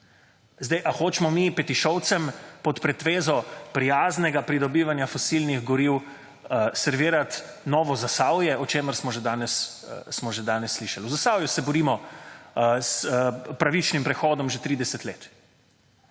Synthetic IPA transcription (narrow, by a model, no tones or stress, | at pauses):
zd̪ɛjʔaxoːt͡ʃmɔmipɛt̪iʃɔwt̪sɛmpɔt̪pɾɛt̪ʋeːzɔpɾijaːznɛɡapɾid̪ɔbiːʋanjafɔsilniɣɡɔɾiw | sɛɾʋiːɾat̪ | nɔːʋɔzasaːwjɛɔt͡ʃeːməɾsmɔʒed̪aːnɛssmɔʒed̪aːnɛsːliʃaluzasawjusɛbɔɾiːmɔ | spɾaʋit͡ʃnimpɾɛxɔːd̪ɔmʒɛt̪ɾiːd̪ɛsɛt̪leːt̪